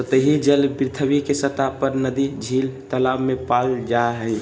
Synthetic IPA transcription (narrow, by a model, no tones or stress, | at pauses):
sət̪əɦid͡ʒəlbɪɾt̪ʰəwikesət̪apəɾnəd̪id͡ʒʱiːlt̪əlammẽpald͡ʒaɦəɪ